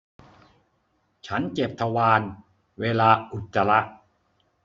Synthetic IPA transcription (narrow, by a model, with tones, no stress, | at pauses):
t͡ɕʰa˦˥nt͡ɕe˨˩p̚t̪ʰa˧waː˧n | weː˧laː˧ʔu˨˩t̪ːa˧la˦˥ʔ